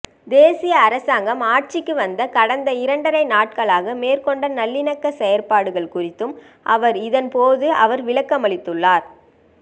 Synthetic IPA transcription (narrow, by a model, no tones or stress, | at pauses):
d̪eːsɪjɐːɾɐsaːŋɡɐmaːʈ̚t͡ʃɪkːɯʋɐnd̪ɐkɐɽɐnd̪ɐɪɾɐɳɖɐɾɐɪnaːʈ̚kɐɭaːɣɐmeːrkɔɳɖɐnɐlːɪnɐkːɐsɛjɐɾpaːɽɯɣɐɭkʊrɪt̪ːɯm | ʔɐʋɐɾɪðɐnpoːðɯʔɐʋɐɾʋɪɭɐkːɐmɐɭɪt̪ːɯɭːaːɾ